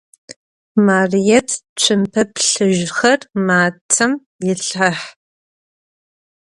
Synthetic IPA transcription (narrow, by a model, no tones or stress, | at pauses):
maːrijɛtʰt͡ʃʷʰɨmpʰɐpʰɬɨʒxɐrmaːt͡sʰɐm | jɪɬħɐħ